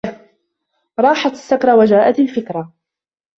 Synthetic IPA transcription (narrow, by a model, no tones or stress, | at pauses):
ɾˤɑːħat̪asːakɾˤɑwad͡ʒaːʔat̪alfɪkɾa